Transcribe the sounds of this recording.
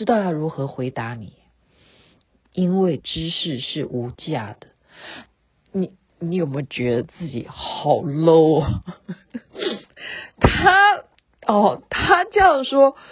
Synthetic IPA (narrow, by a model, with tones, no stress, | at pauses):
ɻ̩˥t̪ɑ˥˩ʊt̪a˥ɻu˧˥xɤ˧˥xwe˧˥ɪt̪a˧˥ni˨˩˦ | i˥nwe˥˩ɪʈ͡ʂɻ̩˥ʂɻ̩˥˧ʂɻ̩˥˩ʔu˧˥t͡ɕja˥˩d̪̥ə˨ | ni˨˩˦ | ni˧˥jo˨˩ʊm˧˥t͡ɕɥɛ˧˥d̪ə˧t͡sɹ̩˥˩t͡ɕḭ˨˩˦xɑ˨˩ʊlo˥˩ʊ | t̪ʰa˥ | ɔ˥˧˩t̪ʰa˥ʈ͡ʂɤ˥jɑ˥˩ŋʂwɔ˥